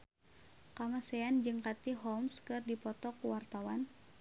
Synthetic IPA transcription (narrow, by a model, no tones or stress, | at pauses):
kamasɛand͡ʒɨŋkat̪iɦɔmskɨrdipɔt̪ɔkuwart̪awan